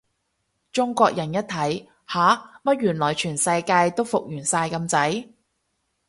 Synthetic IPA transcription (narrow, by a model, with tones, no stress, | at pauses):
t͡ʃʊ˥ŋkʷɔː˧k̚jɐ˨˩njɐ˥t̚t̪ʰɐ˨˥j | haː˨˥mɐ˥t̚jyː˨˩nlɔː˨˩jt͡ʃʰyː˨˩nsɐ˧jkaː˧jt̪o˥wfʊ˨k̚jyː˨˩nsaː˧jkɐ˧mt͡sɐ˨˥j